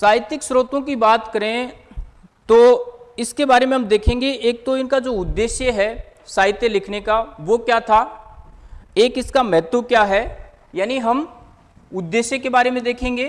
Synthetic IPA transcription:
saːɦɪt̪ɪksɾoːt̪õkibaːt̪kɐɾẽ | t̪oːɪskebaːɾemẽɦɐmd̪eːkʰẽːŋɡeeːk̚t̪oɪnkad͡ʒoːʊd̪ːeːʃjəɦɛ | saːɦɪt̪jelɪkʰnekaʋokjaːt̪ʰaː | eːkɪskamɛɦt̪okjaːɦɛ | jaːniɦɐm | ʊd̪ːeːʃjəkebaːɾemẽd̪eːkʰẽːŋɡeː

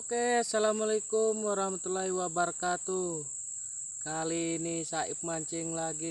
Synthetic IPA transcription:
okeasalamalikumwaɾahmat̪ulaɦiwabarkat̪u | kalinisaḭp̚maɲt͡ʃiŋlaɡi

